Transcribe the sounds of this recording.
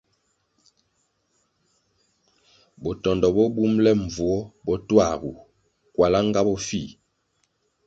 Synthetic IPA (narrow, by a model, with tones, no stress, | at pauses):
bɔ˨tɔ˨ndɔ˨bɔ˦bu˦mlɛ˦ɱ˨vu˨ɔ˦bɔ˦twa˦˨ɣu˨ | kwa˨la˦ŋ˦ɡa˦bɔ˦fi˦˨